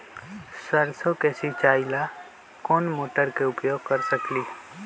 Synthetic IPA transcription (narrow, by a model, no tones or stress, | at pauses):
səɾsokeːsit͡ʃaːɪla | koːnmoːʈəɾkeʊpjoːɡ̚ʱkəɾsəkliː